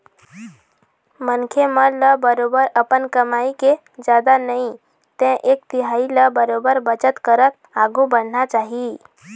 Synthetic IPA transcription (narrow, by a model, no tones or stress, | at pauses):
mənkʰemələbəɾobəɾəpənkəmaike | d͡ʒad̪anəĩ | t̪ɛ̃ʔekt̪iɦailəbəɾobəɾbət͡ʃət̪kəɾət̪̚ | aɡubən̤nat͡ʃaɦi